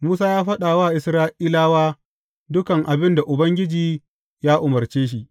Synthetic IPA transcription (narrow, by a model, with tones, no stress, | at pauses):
muː˦s̬aː˦jaː˦ɸɐ˦ɗaː˨waː˦˨ʔɪ˨sɾaː˦ʔiː˦laː˦waː˦ | dʊ˦kɐ˨ŋʔa˨bɪ˦nda˨ʔʊ˨bɐ˦ŋɡʲɪ˦d͡ʒiː˨ | jaː˦ʔʊ˨mɐ˨ɾt͡ʃeː˦ʃ̬i˨ʔ